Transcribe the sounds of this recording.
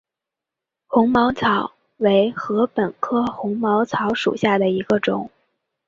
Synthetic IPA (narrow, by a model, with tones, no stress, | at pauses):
xʊ˧˥ŋmɑ˧˥ʊt͡sʰɑ˨˧˥ʊ | we˧˥ɪxɤ˧˥pə˨˩nkʰɤ˥xʊ˧˥ŋmɑ˧˥ʊt͡sʰɑ˧˥ʊʂṵ˨˩ɕja˥˩d̪ə˩i˧˥ɡə˧ʈ͡ʂʊ̰˨˩˦ŋ